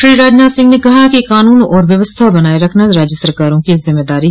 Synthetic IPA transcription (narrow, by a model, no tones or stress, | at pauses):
ʃɾiːɾaːd͡ʒnaːsɪ̃ŋɡnekɐɦakikaːnuːnɔːɾʋjəʋəst̪ʰaːbənaːeɾəkʰnaɾaːd͡ʒjəsəɾkaːɾõːkizɪmːeːd̪aːɾi